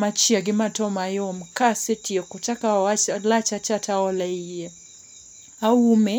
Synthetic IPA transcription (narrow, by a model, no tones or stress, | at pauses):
mat͡ʃjaɡɪmatɔmajomkasetiekot͡ʃakalat͡ʃat͡ʃataɔlɛije | aume